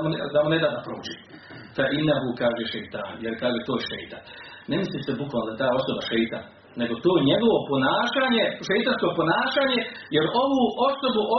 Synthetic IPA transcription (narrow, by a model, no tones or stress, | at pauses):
mond̪amoned̪aːd̪apɾoːd͡ʑiː | faʔinːaɦukaːʒeʃejt̪aːnjeɾkaːʒet̪oːjeʃḛjt̪an | nemislisebukʋalnod̪aet̪aːo̞so̞baʃejt̪a̰n | ne̞ɡo̞t̪oːjeɲe̞ɡo̞ʋo̞po̞naːʃaːɲe̞ʃejt̪ansko̞po̞naːʃaːɲe̞jeɾo̞ʋuːʔo̞so̞buʔo